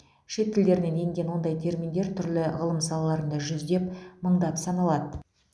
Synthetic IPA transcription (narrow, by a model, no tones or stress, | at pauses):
ʃe̞t̪̚kʲɪld̪e̞ɾɪne̞neŋɡʲe̞nwo̞nd̪ɑjt̪ʰe̞ɾmind̪e̞ɾt̪ʰʏɾlɪʁəlˠəmsɑlˠɑlˠɑɾənd̪ɑʒʏzd̪e̞pməɴd̪ɑpsɑnɑlˠɑd̪ə